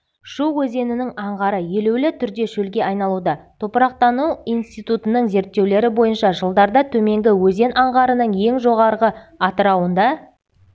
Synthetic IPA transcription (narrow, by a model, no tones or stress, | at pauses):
ʃuwɵze̞nɪnɪŋɑɴʁɑɾəje̞lewlɪt̪ʰʏɾd̪e̞ʃɵlɡʲe̞ʔɑjnɑlˠud̪ɑt̪ʰo̞pəɾɑq̚t̪ɑnuijnst̪ijt̪ut̪ənəɴze̞ɾt̪ːewle̞ɾɪbo̞jənʃɑʒəlˠd̪ɑɾd̪ɑt̪ʰɵme̞ŋɡʲɪwɵze̞nʔɑɴʁɑɾənəɴje̞ŋʒo̞ʁɑɾʁəɑt̪əɾɑwənd̪ɑ